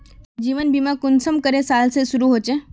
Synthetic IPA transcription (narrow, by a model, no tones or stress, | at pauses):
d͡ʒiːʋənbimãkʊnsəmkəɾesalsesʊɾuɦot͡ʃe